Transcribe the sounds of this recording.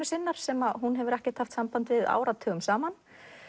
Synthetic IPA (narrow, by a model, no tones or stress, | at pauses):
ɪsɪnːaɾ̥sɛmaɦunɦɛvʏɾɛhcɛɾ̥t̪haft̪sampant̪vɪða̰ːwɾat̪ʰœːɣʏmsaːman